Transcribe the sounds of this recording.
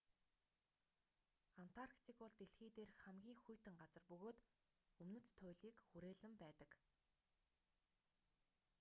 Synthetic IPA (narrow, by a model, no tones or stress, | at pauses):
an̥t̪ʰarkt̪iːkpɔɮt̪eɬxiːt̪eːrχæmɡʲiːŋxujt̪ɘ̆ŋɢat͡sə̆rpɵɣoːt̪ | ɵmnɵ̆t͡st̪ʰːʊjɮiːkxuɾeːɮɘ̆mpæːt̪ə̆k